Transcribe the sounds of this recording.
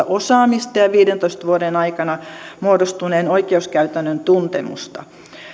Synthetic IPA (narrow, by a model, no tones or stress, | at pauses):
ɑʔosɑːmist̪ɑjɑʋiːdent̪oist̪ʋuodenɑikɑnɑmuodost̪uneːnoikeuskæyt̪ænːønt̪unt̪ḛmṵst̪ɑ̰